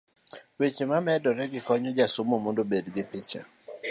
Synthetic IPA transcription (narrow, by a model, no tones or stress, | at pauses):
wet͡ʃemamɛdɔɾɛɡɪkɔɲɔd͡ʒasomomondobedɡɪpɪt͡ʃa̰